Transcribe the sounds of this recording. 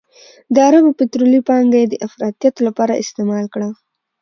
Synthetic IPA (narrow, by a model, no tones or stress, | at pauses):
d̪əaɾabpet̪ɾolipɑŋɡjed̪əʔafɾɑt̪ijat̪olapɑɾaʔɪ̰st̪emɑlkɽa